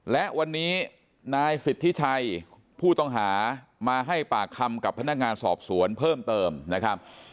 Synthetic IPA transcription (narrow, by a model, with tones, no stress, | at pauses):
lɛ˦˥ʔwa˧nːiː˦˥ | naː˧jsi˨˩t̪ʰːi˦˥t͡ɕʰa˧j | pʰuː˥˩t̪ɔ˥˩ŋɦaː˩˦maː˧ɦa˥˩jpaː˨˩kʰːa˧mka˨˩pʰːa˧na˦˥k̚ŋaː˧nsɔ̰ː˨˩p̚su˩˦ənpʰɤː˥˩mt̪ɤː˧mna˦˥kʰa˦˥p̚